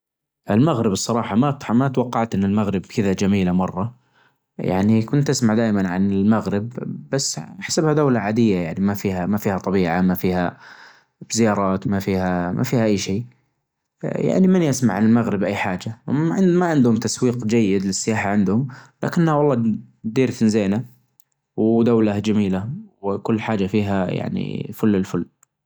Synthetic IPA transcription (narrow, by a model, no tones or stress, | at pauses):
ʔɪlmaɣɾɪbɨsˤːɑɾˤɑːħɑmatmat̪wɑqːɑʕt̪ʔɪnːɪlmaɣɾɪbkʰɪðad͡ʒamiːlamɑrˤːɑ | ja̰ʕnikʊnt̪ʔasmaʕd̪aːʔɪmanʕa̰nɪlmaɣɾɪbːasːħḁsabhad̪aːlaʕaːd̪ɪjːajaʕnimafiːhamafiːhat̪ˤɑbiːʕamafiːha̰ | bzɪjɑːɾˤɑːt̪mafiːhamʔa̰fiːhaʔajːʃeː | ja̰ʕnimɪnjasmaʕanɪlmaɣɾɪbʔajːħaːd͡ʒaɪmaʕɪnd̪hʊmt̪aswiːqd͡ʒajːɪd̪lɪsːɪjaːħaʕɪnd̪hʊmla̰kɪnːhawɑlˤːɑː | d̪iːɾt̪ɪnzeːna | wd̪awlad͡ʒamiːlawkʊlːħaːd͡ʒafiːɦaja̰ʕnḭfʊlːɪlfʊlː